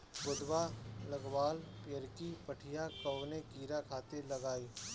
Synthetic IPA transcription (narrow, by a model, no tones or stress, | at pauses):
bʊd̪waləɡʋaːlpjəɾkipəʈʰɪjakəʋnekiːɾakʰaːt̪elɐɡaːiː